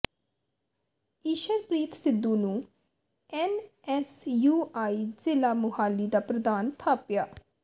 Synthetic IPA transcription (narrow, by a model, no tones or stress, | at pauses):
iːʃəɾpɾiːt̪sɪd̪ːũːnũː | ɛnɛsjuːaːiːzɪlaːmʊɦaːliːd̪aːpɾəd̪aːnt̪ʰaːpjaː